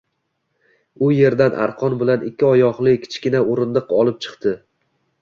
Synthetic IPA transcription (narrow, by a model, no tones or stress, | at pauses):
ʊje̞ɾd̪anʔa̰ɾqʰɒnbɪlanɪkʲʰːɪɒjɒʁlˠɪkʲʰɪ̥t͡ʃkʲɪnaoɾɪnd̪ɨqɒlˠɪp̚t͡ʃʰɨ̥qt̪ʰɪ